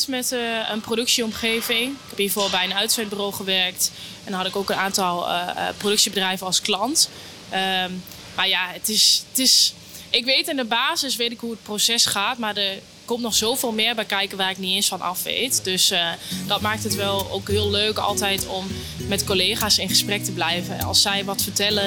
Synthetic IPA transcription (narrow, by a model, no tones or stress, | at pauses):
smɛtəənprodøksiɔmχeːvɪŋɪkɛpbivobl̚ˠbɛjənœɥtsɛt̚bəroːχəʋɛrk̚t | ɛndnɦɑdɪkoːkənaːntɔl̰ˠprodɵksibədrɛjvəɑlˠsklɑnt | ə | marjaətɪstɪs | ʔɪkʋeːtɪndəbaːzɪsʋeːtɪkɦuət̚prosɛsχaːtmadəɹ | kɔmtnɔχsowvɪːlˠmɪːɹbɛjkɛjkəʋaːrɪkniensfɑnʔɑ̰fʋḛjtdøsdɑt̚maːk̚tətʋɛlˠo̰ːkɦɪːəlˠːøːkɑ̰lˠtɛjtɔmː | ɛtkoleːχaːsɪnχəsprɛk̚təblɛjvən̰ɑ̰lˠsːɛjʋɔtfərtɛlə